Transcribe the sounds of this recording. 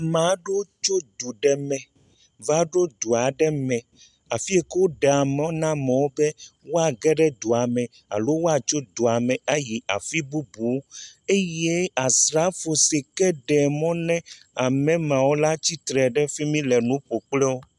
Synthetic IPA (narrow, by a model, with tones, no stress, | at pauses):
mã˨˦ɖo˦o˦t͡ʃo˦d̪u˨ɖɛ˦mɛ̃˨ | va˦ɖo˦d̪u˨a˨ɖɛ˦mɛ̃˨ | a˨fi˦e˦ke˦wo˦ɖe˨a˨mẽ˨˦o˦nã˦mɛ̃˨wo˦bɛ˦wo˦a˨ɡɛ˦ɖɛ˦d̪u˨a˨mɛ̃˨ | a̰˨lo˦wo˦a˨t͡ʃo˦d̪u˨a˨mɛ̃˨a˦ji˨a̰˨fi˦bu˦bu˨we˦je˦a˨sɾa˦fo˨se˨kɛ˦ɖɛ˨mɔ̃˦nɛ̃˦ | a˨mɛ̃˨mã˨wo˦la˦t͡ɕi˦t̪ɾɛ˨ɖɛ˦fi˦mĩ˦lɛ˨nũ˦ɸo˨k͡plɛ˦wo˦